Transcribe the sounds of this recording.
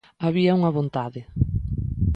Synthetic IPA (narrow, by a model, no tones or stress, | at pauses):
aβiɐuŋɐβõnt̪aðɪ